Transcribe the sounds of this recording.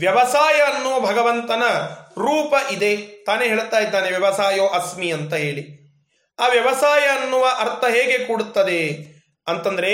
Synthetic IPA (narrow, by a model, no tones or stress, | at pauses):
ʋjɐʋɐsaːjɐːnːuʋɐbʱɐɡɐʋɐnt̪ɐnɐɾuːpɐʔid̪e̞t̪aːneɦeːɭt̪aːjid̪ːaːneʋjɐʋɐsaːjoːʔɐsmiɐnt̪ɐɦe̞ːɭi | aːʋjɐʋɐsaːjɐːnːuʋɐʔɐɾt̪ʰɐɦeːɡe̞kuːɽut̪ːɐd̪e | ɐnt̪ɐnd̪ɐɾe̞